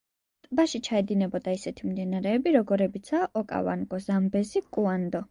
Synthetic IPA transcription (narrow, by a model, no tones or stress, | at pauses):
t̪ʼbaʃit͡ʃʰaɛd̪inɛbɔd̪aisɛt̪ʰimd̪inaɾɛːbiɾɔɡɔɾɛbit̪sʰaʔɔkʼa̰va̰nɡɔzambɛzikʼuand̪ɔ